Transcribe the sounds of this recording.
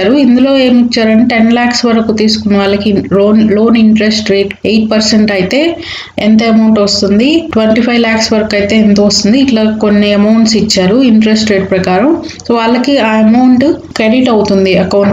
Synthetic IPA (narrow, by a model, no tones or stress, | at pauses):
aːɾuind̪ulo̞ːe̞ːmit͡ʃːaːɾɐniʈe̞nlaːksʋɐɾɐkut̪iːsu̥kunːɐʋaːɭːɐkiloːnlo̞ːniɳʈɾe̞sʈɾe̞ːʈejʈ̚pɐɾseɳʈɐjt̪e̞ː | ent̪ɐɐmɐwɳʈʋɐst̪und̪iʈʋeɳʈipʰɐjlaːksʋɐɾɐkɐjt̪e̞ːnt̪ɐɐst̪und̪iːʈlako̞nːiɐmɐwɳʈsit͡ʃːaːɾuiɳʈɾesʈɾeːʈ̚pɾɐkaːɾɐm | soːʋaːɭːɐkiaːɐmɐwɳʈkɾeɖiʈɐwt̪und̪iɐkɐwɳ